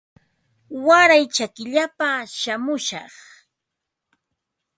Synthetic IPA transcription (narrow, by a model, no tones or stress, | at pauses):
waɾajt͡ʃakɪʎapaʃamʊʃɑ̰χ